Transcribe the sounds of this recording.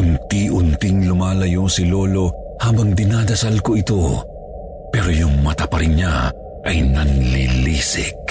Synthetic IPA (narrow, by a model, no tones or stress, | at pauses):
ʔʊnt̪iʔʊnt̪ɪŋlʊmaːlɐjosɪlo̞ːlo̞ | haːbɐŋd̪ɪnaːd̪ɐsalkoɪt̪o̞ | pɛːɾojʊŋmɐt̪ɐpɐɾɪŋɲa | ʔɐjnɐnliliːsɪ̰k̚